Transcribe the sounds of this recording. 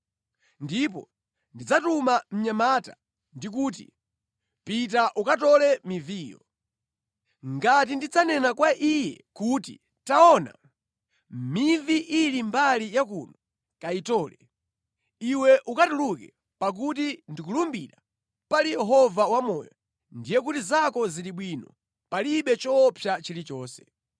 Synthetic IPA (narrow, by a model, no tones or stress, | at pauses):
ndip̬ɔ̰ | ndid͡zatumam̩ɲamata̰ | ndik̬uːt̬ḭ | pit̬aʔukatɔlɛmivijɔ̰ | ŋɡat̬indid͡zanɛnakwaʔijɛ̰kuːtḭ | taɔna̰ | miviʔilimbalijakunɔ | kaitɔːlɛ | iwɛʔukatulukɛ | pak̬ut̬indikulumbḭɾa | palijɛɦɔvawamɔjɔ̰ | ndijɛk̬utizakɔziliɓwinɔ̰ | paliɓɛt͡ʃɔpʰjat͡ʃilit͡ʃɔːsɛ